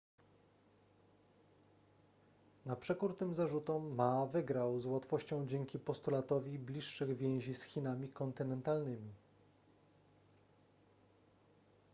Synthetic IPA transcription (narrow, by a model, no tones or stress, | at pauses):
napʂɛkuɾt̪ɘmzaʐut̪ɔmːavɘɡɾawzwat̪fɔɕt͡ɕɔ̃w̃d͡ʑɛŋkʲipɔst̪ulat̪ɔvʲiblʲiʂːɘɣvʲjɛ̃w̃ʑisxʲinamʲikɔnt̪ɘnɛnt̪alnɘmʲi